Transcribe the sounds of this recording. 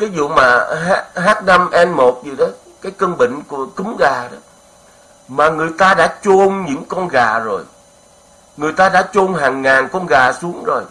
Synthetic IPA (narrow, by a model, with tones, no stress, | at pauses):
vi˨˦zṵ˧˨maː˨˩ɦaː˦˥t̚haː˦˥t̚na˧mʔɛ˧nmo˨˩t̚zi˨˩ɗɔ˨˦ | kaː˨˦jkə˧nɓḭ˧˨ŋ̟ku˧˨˩əkɨ˨˦mɣaː˨˩ɗɔ˨˦ | maː˨˩ŋɨ˨˩əjt̪aː˧ɗa̰ː˧˥t͡ɕo˧nɲɨ̰˧˥ŋkɔ˧nɣaː˨˩zo˨˩j | ŋɨ˨˩əjt̪aː˧ɗa̰ː˧˥t͡ɕo˧nɦaː˨˩ŋːaː˨˩nkɔ˧nɣaː˨˩su˨˦əŋzo˨˩j